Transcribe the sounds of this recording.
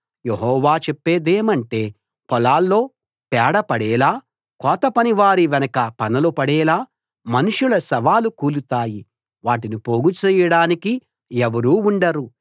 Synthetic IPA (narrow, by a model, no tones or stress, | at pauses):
jeɦɔːʋaːt͡ʃepːeːd̪eːmɐɳʈe̞ː | pɔlaːlːo̞ː | pɛːɽɐpɐɽɛːlaː | kɔːt̪ɐpɐniʋaːɾiʋɛnɐkɐpɐnɐlopɐɽɛːlaː | mɐnuʂulɐsɐʋaːlukuːlut̪aːji | ʋaːʈinipoːɡut͡ʃɛːjɐɽaːniki | ɛʋɐɾuːuɳɖɐɾu